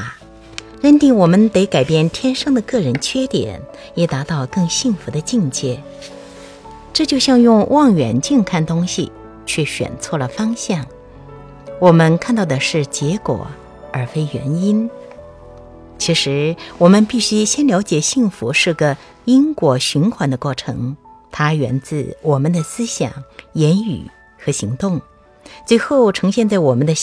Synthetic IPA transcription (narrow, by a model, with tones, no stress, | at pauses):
ɻə˥˧nt̪i˥˩ŋwɔ˨˩mə˥nt̪e˧˥ɪka˨˩ɪpjɛ˥˩nt̪ʰjɛ˥nʂɑ˥ŋd̪ə˨kɤ˥˩ɻə˧˥nt͡ɕʰɥɛ˥t̪jɛ̰˨˩˦n | jɛ˨˩t̪a˧˥t̪ɑ˥˧ʊkɤ˥˧ŋɕi˥˩ŋfu˧˥d̪ə˧t͡ɕi˥˧ŋt͡ɕjɛ˥˩ | ʈ͡ʂɤ˥˧t͡ɕjo˥˧ʊɕjɑ˥˧ŋjʊ˥˧ŋwʔɑ˥˩ŋɥɛ̰˨˩nt͡ɕi˥˧nkʰa˥˩nt̪ʊ˥ŋɕḭ˨˩ | t͡ɕʰɥɛ˥˩ɕɥɛ̰˨˩nt͡sʰwɔ˥˩lə˩fɑ˥ŋɕjɑ˥˩ŋ | wɔ˨˩mə˧˥nkʰa˥˧nt̪ɑ˥˩ʊd̪ə˩ʂɻ̩˥˩t͡ɕjɛ˧˥kwɔ̰˨˩˦ | ə˞˧˥fe˥ɪɥɛ̰˧˥ni˥n | t͡ɕʰi˧˥ʂɻ̩˧˥wɔ˨˩mə˧˦npi˥˩ɕy˥ɕjɛ˥nljɑ˧˥ʊt͡ɕjɛ˨˩ɕi˥˩ŋfu˧˥ʂɻ̩˥˩ɡə˩ | i˥nkwɔ˧˩ɕy˧˥nkʰwa˧˥nd̪ə˧kwɔ˥˩ʈ͡ʂʰɤ̰˧˥ŋt̪ʰa˥ɥɛ˧˥nt͡sɹ̩˥˩wɔ˨˩mə˦nd̪ə˧sɹ̩˥ɕjɑ̰˨˩ŋjɛ˧˥ny̰˨˩ | xɤ˧˥ɕi˧˥ŋt̪ʊ˥˩ŋ | t͡swe˥˧ɪxo˥˩ʊʈ͡ʂʰɤ˧˥ŋɕjɛ˥˧nt͡sa˥˩ɪwɔ˨˩mə˦nd̪ə˧